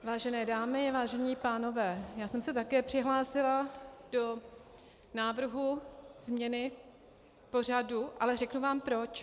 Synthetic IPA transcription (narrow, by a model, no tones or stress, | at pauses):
vaːʒɛnɛːdaːmɪvaːʒɛɲiːpaːno̞vɛːjaːsɛmsɛt̪akɛːpr̝̥ɪɦlaːsɪlad̥o̞ | naːvr̩ɦuz̥mɲɛnɪ | po̞r̝aduʔalɛrɛknuvaːmpɾo̞t͡ʃ